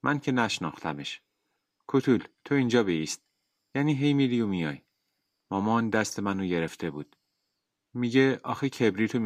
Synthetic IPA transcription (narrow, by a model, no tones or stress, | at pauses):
mʔæncʰe̞næʃnɒːxt̪ʰæme̞ʃ | kʰot̪ʰult̪ʰo̞iːnd͡ʒɒːbeist̪̚ | jæːniːɦe̞jmid̪ijomijɒːj | mɒːmɒːnd̪æst̪e̞mænoɟe̞ɾeft̪ʰe̞buːd̪̥ | miɟeʔɒ̰ːxicʰebɾiːt̪ʰom